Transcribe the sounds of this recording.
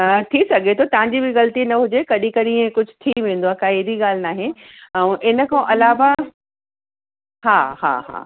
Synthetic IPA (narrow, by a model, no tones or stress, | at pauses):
t̪ʰisɐɡʱet̪ʰot̪ɐʋ̤ãɲd͡ʑibɪɣɐlt̪inɐɦʊd͡ʑekɐɗĩkɐɗĩẽkʊd͡ʑʱʊ̥̆t̪ʰiʋẽːnd̪oaːkaːiɾiɠaːl̤ɪnaːɦɪn | ɛ̃ʔɪnə̆kʰãːʔɐlaːʋa | haːha̰ːɦa̰ː